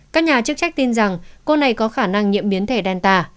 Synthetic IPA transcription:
kaː˦˥k̚ɲaː˨˩t͡ɕɨ˦˥k̚t͡ɕa˦˥k̟̚t̪i˧nza˨˩ŋko˧na˨˩jkɔ˨˦xaː˧˩na˧ŋɲḭ˧˨əmɓi˨˦ənt̪ʰe˧˩ɗɛ˧nt̪aː˧˩

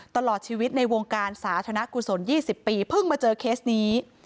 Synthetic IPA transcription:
t̪a˧lɔː˨˩t̪̚t͡ɕʰiː˧wi˦˥t̪̚na˧jwo˧ŋkaː˧nsaː˩˦t̪ʰa˧na˦˥ʔku˨˩so˩˦njiː˥˩si˨˩pːiː˧pʰɯ˥˩ŋmaː˧t͡ɕɤː˧kʰeː˦˥s̚niː˦˥

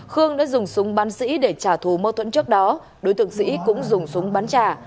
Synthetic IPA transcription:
xɨ˧əŋɗa̰ː˧˥zʊ˨˩ŋ͡msʊ˨˦ŋ͡mɓaː˨˦nsḭ˧˥ɗe˧˩t͡ɕaː˧˩t̪ʰu˧˩mo˧t̪ʰwə̰˧˥nt͡ɕɨ˦˥ək̚ɗɔ˨˦ | ɗo˨˦jt̪ɨ˨˧˩əŋsḭ˧˥kʊ̰˧˥ŋ͡mzʊ˨˩ŋ͡msʊ˨˦ŋ͡mɓaː˨˦nt͡ɕaː˧˩

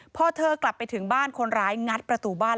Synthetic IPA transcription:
pʰɔ˦˥˩t̪ʰɤː˧kla˨˩pːa˧jt̪ʰɯ˩˦ŋbaː˥˩nkʰo˧nɾaː˦˥jŋa˦˥t̪̚pɾa˧t̪uː˨˩baː˥˩n

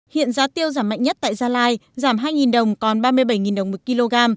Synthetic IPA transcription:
hḭ˧˨ənzaː˨˦t̪i˧əwzaː˧˩mːa̰˧˨ŋɲə˦˥t̚t̪a̰ː˧˨jzaː˧laː˧jzaː˧˩mɦaː˧jŋi˨˩nɗə˨˩wŋ͡mkɔ˨˩nɓaː˧mɨ˧əjɓa˧˩jŋi˨˩nɗə˨˩wŋ͡mmo˨˩t̚ki˧lo˧ɣaː˧m

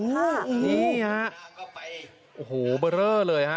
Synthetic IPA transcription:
ɯ˧˥ɯː˧˦˥ha˦˥ʔ | ʔoː˨˩hoː˩bɤː˧ɾɤː˥˩lɤː˧jɦa˦˥

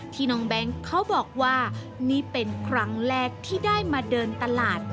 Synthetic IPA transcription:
t̪ʰiː˧nɔː˧ŋbɛ˦˥ŋkʰːa˦˥wbɔː˨˩k̚waː˥˩ | niː˦˥pe˧nkʰɾa˦˥ŋɾɛː˥˩k̚t̪ʰiː˥˩daː˥˩jmaː˧dɤː˧nt̪a˧laː˨˩t̪̚

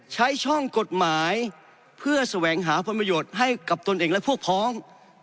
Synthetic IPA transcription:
t͡ɕʰa˦˥jt͡ɕʰɔ˥˩ŋko˨˩t̪̚maː˩˦j | pʰɯ˥˩ɐsa˧wɛː˩˦ŋɦaː˩˦pʰo˧npɾa˧joː˨˩t̪̚ɦa˥˩jka˨˩p̚t̪o˧nʔeː˨˩ŋlɛ˦˥pʰu˥˩ək̚pʰɔː˦˥ŋ

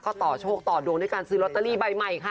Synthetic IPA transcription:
kɔː˥˩t̪ɔː˨˩t͡ɕʰoː˥˩k̚t̪ɔː˨˩duː˧ŋduː˥˩˨jkaː˧nsɯː˦˥lo˦˥t̪ːa˧liː˥˩ba˧jma˨˩jkʰa˦˥˩

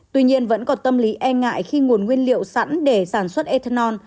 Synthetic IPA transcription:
t̪wi˧ɲi˧ənvə̰˧˥nkɔ˨˦nt̪ə˧mli˨˦ʔɛ˧ŋa̰ː˧˨jxi˧ŋu˨˩ənŋwi˧ənlḭ˧˨əwsa̰˧˥nɗe˧˩saː˧˩nswə˦˥t̚ʔe˧t̪ʰə˧nɔ˧n

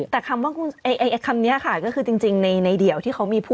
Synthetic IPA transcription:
t̪ɛː˨˩kʰa˧mwaː˥˩kʰu˧nʔa˧jʔa˧jʔa˧kʰa˧mni˦˥ɐkʰa˦˥˩kɔː˥˩kʰɯː˧t͡ɕi˧ŋt͡ɕi˧ŋna˧jna˧jdi˨˩˦əwt̪ʰiː˥˩kʰa˦˥wmiː˧pʰuː˥˩

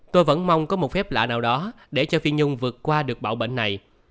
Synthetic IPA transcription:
t̪o˧jvə̰˧˥nma˧wŋ͡mkɔ˨˦mo˨˩t̚fɛ˦˥p̚la̰ː˧˨naː˨˩wɗɔ˨˦ | ɗe˧˩t͡ɕɔ˧fi˧ənɲʊ˧wŋ͡mvɨ˨˩ət̚kwaː˧ɗɨ˨˩ək̚ɓa̰ː˧˨wɓḛ˧˨nːa˨˩j

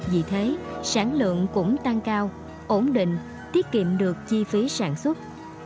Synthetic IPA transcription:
vḭ˨˩t̪ʰe˨˦saː˧˩nlɨ̰˧˨əŋkʊ̰˧˥ŋ͡mt̪a˧ŋkaː˧w | ʔo˧˩nɗḭ̈˧˨ŋ̟ | t̪i˦˥əp̚kḭ˧˨mɗɨ˨˩ək̚t͡ɕi˧fi˨˦saː˧˩nswə˦˥t̚

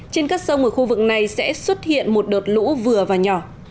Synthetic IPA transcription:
t͡ɕe˧nkaː˦˥k̚sə˧wŋ͡mʔəː˧˩xu˧vɨ˨˩k̚na˨˩jsɛ̰˧˥swə˦˥t̚hḭ˧˨ənmo˨˩t̚ɗo˨˩t̚lṵ˧˥vɨ˨˩əvaː˨˩ɲɔ˧˩

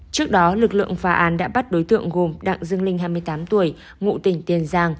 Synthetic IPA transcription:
t͡ɕɨ˦˥ək̚ɗɔ˨˦lɨ˨˩k̚lɨ̰˧˨əŋfaː˨˦ʔaː˨˦nɗa̰ː˧˥ɓa˦˥t̚ɗo˨˦jt̪ɨ̰˧˨əŋɣo˨˩mɗa̰ː˧˨ŋzɨ˧əŋlï˧ŋ̟ɦaː˧jmɨ˧əjt̪aː˨˦mt̪u˧˩əj | ŋṵ˧˨t̪ï˧˩ŋ̟t̪i˧˩ənzaː˧ŋ

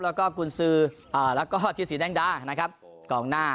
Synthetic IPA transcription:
lɛː˦˥wkɔː˥˩ku˧nsɯː˦˧˥ʔɤː˧˩lɛː˦˥wkɔː˥˩t̪ʰiː˦˥˩siː˩˦dɛː˥˩ŋdaː˧˩na˦˥kʰa˦˥p̚ | kɔː˨˩˦ŋnaː˥˩

